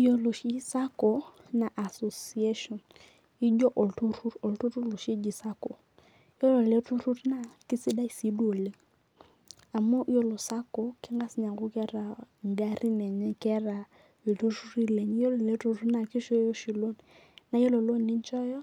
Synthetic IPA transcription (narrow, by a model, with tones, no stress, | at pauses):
i˦jo˦lo˨ʃi˦sa˦kɔ˨ | na˨ʔa˨so˨si˨e˦ʃɔ˨n | i˦d͡ʒɔ˦ʔo˨ltu˦ɾu˦ɾo˨ltu˦ɾu˦lu˨ʃi˦d͡ʒi˨sa˦ko˨˦ | jo˦lo˨le˦tu˦ɾu˦ɾna˨kɪ˦si˦da˦i˦si˨˦do˨le˨ŋ | a˨mɔ˦ʔi˦jo˦lo˨sa˦kɔ˨kɪ˦ŋɡa˦sɲa˨ŋɡʊ˦kɛ˦ɾa˨n˨da˦ɾi˦nɛ˨ɲɛ˦kɛ˦ɾa˨ | e˨tu˦ɾu˦ɾi˦lɛ˨ɲi˦jo˦lo˨le˦tu˦ɾu˦na˨kɪ˦ʃɔ˦jo˦ʃi˨lo˦n | na˨˦jo˦lo˨lo˦˨nːɪ˦ɲ˦t͡ʃɔ˦jɔ˦